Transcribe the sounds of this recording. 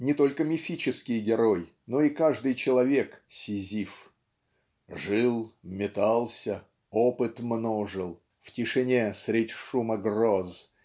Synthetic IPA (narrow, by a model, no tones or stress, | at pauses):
nʲɪt̪o̞lʲkəmʲɪfʲit͡ɕɪskʲɪjɡʲɪɾoj | no̞ikaʐd̪ɨjt͡ɕɪlˠɐvʲe̞ksʲɪzʲif | ʐɨlˠmʲɪt̪alˠsʲə | opɨt̪mnoʐɨlˠ | ftʲɪʂɨnʲesɾʲɪdʲʂuməɡroz